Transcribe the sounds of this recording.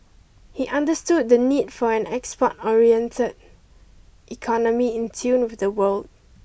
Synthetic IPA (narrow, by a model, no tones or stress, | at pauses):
hiʔãndəstud̚dənidfɔɛ̃nɛkspɔtɔɹiɛ̃ntʰəd | ʔikʰɔnəmiɪ̃ntʰũnwɪfdəwəld